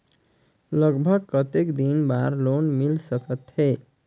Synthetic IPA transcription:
lʌɡbʱʌɡ̚kət̪ekd̪inbaɾlonmilsəkət̪ɦe

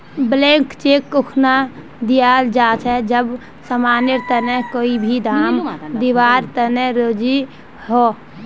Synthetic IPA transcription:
blẽːŋkt͡ʃeːkːʊkʰna | d̪ijaːld͡ʒaːt͡ʃʰɛd͡ʒəb | səmaːnɪɾt̪ənɛkoːibʱid̪ʱaːmd̪iʋaːɾt̪ənɛɾoːd͡ʒi | hoː

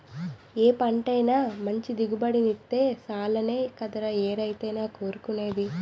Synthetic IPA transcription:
eːpɐɳʈɐjnaːmɐɲt͡ʃid̪iɡubɐɽinit̪ːe̞ːsaːlɐneːkɐd̪ɐɾɐeːɾɐjt̪ɐjnaːko̞ːɾukune̞ːd̪i

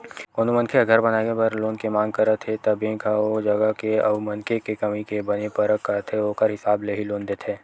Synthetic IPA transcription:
koːnomə̃nkʰeɡʱɐɾbɐnaːkepɐɾloːnkemãːŋɡ̚kɐɾət̪ʰɦet̪ɐbẽːkaod͡ʒɐɡəkeɐbmɐnkʰekekɐmikebɐnepɐɾəkːəɾət̪ʰɦeoːkəɾɦɪsaːbleɦiloːnd̪eːt̪ʰɦeː

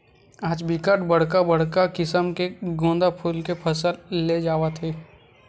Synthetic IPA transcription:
aːd͡ʒbɪkəʈbəɽ̤kabəɽ̤kakɪsəmkeɡõːnd̪apʰʊlkepʰəsəlːed͡ʒaːwat̪ʰeː

